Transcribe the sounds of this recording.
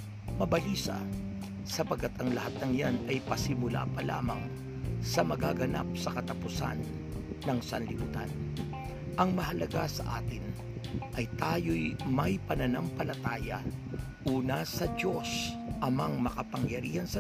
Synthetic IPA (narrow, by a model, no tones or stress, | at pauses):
mɐbɐliːsɐ̰ | sɐpɐɡ̚kːat̪ɐŋlɐhat̪̚nɐŋjanɐjpɐsɪmʊla̰pɐla̰ːmɐŋ | sɐmɐɡaɡɐna̰p̚sɐkɐt̪ɐpʊsa̰nː | ɐŋsɐnlɪʔṵːt̪a̰n | ʔɐŋmɐɦɐlɐɡasɐʔa̰ːt̪ɪn | ʔɐjt̪aːjojmɐjpɐnɐnampɐlɐt̪aːjɐ̰ | ʔuːnɐsɐd̪o̞sʔɐmɐŋmɐkɐpɐŋjɐɾiːhɐnsɐ